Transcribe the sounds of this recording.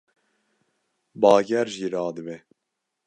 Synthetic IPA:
bɑːɡɛɾʒiːɾɑːd̪ɨbɛ

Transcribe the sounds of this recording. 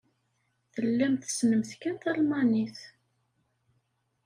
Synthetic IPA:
θəlːæmθəsnəmθkænθælmɑniθ

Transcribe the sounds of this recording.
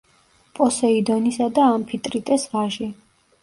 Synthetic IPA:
pʼɔsɛid̪ɔnisad̪aːmpʰit̪ʼɾit̪ʼɛsvaʒi

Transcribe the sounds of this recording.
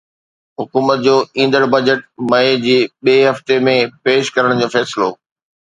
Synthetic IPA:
ɦʊkuːmət̪̚d͡ʑoːĩːn̆d̪əɾbɐd͡ʑəʈmɐed͡ʑiːɓeːɦɐft̪emẽpeːʃkɐɾəɽ̃d͡ʑoːfɛːsɪlo̰ː

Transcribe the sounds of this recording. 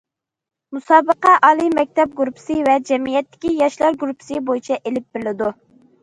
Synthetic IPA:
musɑːbəqɑʔɑːlˠimɛk̚ʲt̪ɛp̚ɡuɾupʰɪ̥sɨvɛd͡ʒɛmijɛt̪ːɪ̥kʲijɑʃlˠɑɾɡuɾupʰɪ̥sɨbojit͡ʃʰɛʔelɪp̚b̥ɪɾlɪd̪u

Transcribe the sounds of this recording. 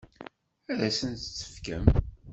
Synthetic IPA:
æðæsənt̪t͡sːə̥fkəm

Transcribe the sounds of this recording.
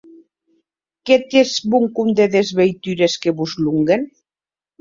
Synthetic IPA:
ket̪ezbuŋkund̪eðezβejt̪yɾeskeβuzluŋɡen

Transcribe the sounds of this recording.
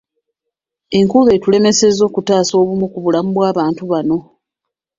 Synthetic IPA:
e̞ŋkule̞ːtule̞me̞se̞zo̞ːkutaːso̞ːβumukuβulamuβwaːβaːntuβano̞

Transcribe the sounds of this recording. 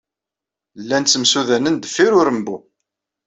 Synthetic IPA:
lːænt͡sːəmsuðænənd̪əfːiɾʊɾəmbu

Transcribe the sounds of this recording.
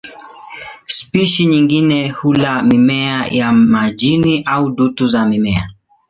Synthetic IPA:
spiʃiɲiŋɡinɛhulamimɛajamaʄiniʔauɗutuzamimɛa̰

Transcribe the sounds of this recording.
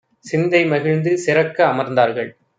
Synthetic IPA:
sɪnd̪ɐɪmɐɣɪɻnd̪ɯsɪɾɐkːɐːmɐɾnd̪aːɾɣɐɭ

